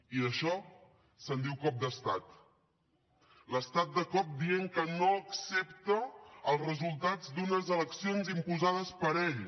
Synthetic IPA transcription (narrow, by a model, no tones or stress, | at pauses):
iəʃɔ | sənd̪iwkɔp̚d̪əst̪at̪ | ləst̪at̪̚d̪əkɔp̚d̪ieŋkənoəksep̚t̪əəlˠzrəzulˠt̪ad͡zd̪unəzələksionzimpuzað̞əspəɾɛʎ